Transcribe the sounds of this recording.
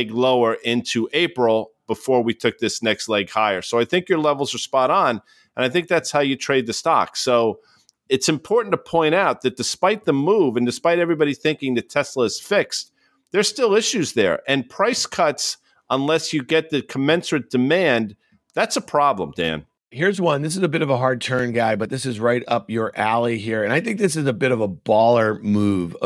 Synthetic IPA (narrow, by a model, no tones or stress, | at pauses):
ɡloʊə˞ʔɪ̃ntʰʉʔeɪpɹl̩ˠb̥əfɔɹwitʰʊk̚ðɪsnɛkstˡlɛɡhaɪə˞soʊaɪθɪ̃ŋkjə˞lɛvl̩ˠzə˞spɑɾn̩ | ɨ̃naɪθɪ̃ŋk̚ðætshaʊjɨtʰɹ̥eɪd̪̚ðɨstɑ̰ksoʊ | ɨtsɨ̃mpʰɔɹʔn̩tʰəpʰɔ̃ɪ̃ɾ̃aʊt̪̚ðɨt̚d̥ɨspaɪt̪̚ðəmuvɨ̃ndɨspaɪɾɛvɹibɑɾiθɪ̃ŋkɪ̃ŋðɨtʰɛsləɨz̥fɪks | ðə˞stɪlˠɪʃʉzðə̰˞ʔɨ̃npʰɹ̥aɪskʰʌts | ə̃nlɛsjɨɡɛt̪̚ðɨkʰəmɛ̃nsə˞d̥ɨmæ̃n | ðætsəpʰɹ̥ɑblə̰̃mdæ̰̃n | hiɹzwʌ̃nðɪs̬ɨzəbɪɾʌvəɦɑɹd̚tʰɜ̃˞nɡaɪbʌt̪̚ðɪsɨzɹaɪɾʌp̚jə˞ʔælˠiɦiɹɨ̃ñaɪθɪ̃ŋk̚ðɪs̬ɨzəbɪɾʌvəbɔlˠə˞muv